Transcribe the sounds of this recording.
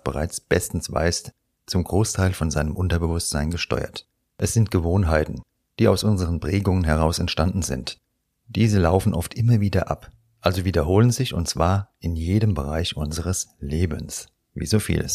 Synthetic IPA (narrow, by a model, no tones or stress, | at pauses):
b̥əʁa̰ɪt͡sb̥ɛstn̩sv̥a̰ɪs | t͡sʊmɡʁoːstʰaɪlfɔnzaɪnəmʔʊntɐbəvʊstz̥aɪnɡəʃtɔ̰ʏɐ̰t | ʔɛsz̥ɪntɡ̥əvoːnɦaɪtn̩ | d̥iːaʊsʔʊnzəʁənpʁ̥ɛːɡʊŋənɦɛʁ̞aʊsɛntʃtandn̩zɪ̰nt | d̥iːzəlaʊfn̩ʔɔftʔɪmɐviːdɐʔa̰p | ʔalzoviːdɐɦoːlənzɪçʊ̰ntt͡sv̥aːɐʔɪnjeːɾəmbəʁ̞aɪçʔʊnzəʁəsleːbəns | vḭːzoːfḭːlə̰s